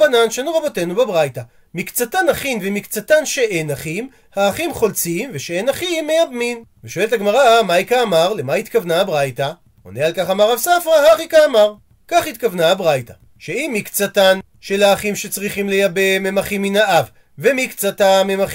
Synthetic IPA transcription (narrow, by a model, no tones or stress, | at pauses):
ananʃanuʁabo̞te̞nubebʁajta | mikt͡satanaχinvemikt͡satanʃeʔenaχim | haːχimχo̞lt͡simveʃeenaχimːejabminveʃoe̞let̪aɡmaʁamajkaːmaʁle̞mait̪kavnaːbʁajta | o̰nealkaχamaʁavsafʁaɦaχikaːmaʁ | kaχit̪kavnaːbʁajta | ʃeimikt͡satan | ʃelaːχimʃe̞t͡sʁiχimlejabe̞me̞maχimːinaʔav | vemikt͡satamemaχ